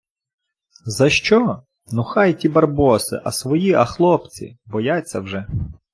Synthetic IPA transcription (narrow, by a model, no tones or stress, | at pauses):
zɐʃt͡ʃɔ | nʊxɑjtʲibɐrbɔsɪ̰ʔɐ̰sʋɔjiʔɐxlˠɔpt͡sʲḭbɔjat͡sʲːɐwʒɛ